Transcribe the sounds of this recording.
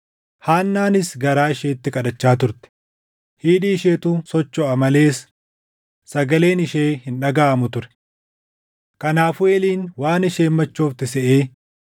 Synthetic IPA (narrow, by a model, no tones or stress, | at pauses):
haːnːaːnɪsɡɐɾaːɪʃeːt̪ːɪkʼɐᶑɐt͡ʃːaːt̪̬ʊɾt̪ɛ̥ | hiːᶑiːʃeːt̪ʊsɔt͡ʃːɔɐmɐle̞ːs | sɐɡɐle̞ːnɪʃeːhɪnᶑɐɡaːmʊt̪ʊɾɛ̥ | kɐnaːfʊeːliːnwaːnɪʃeːmːɐt͡ʃːo̞ːft̪ɪsɛʔeː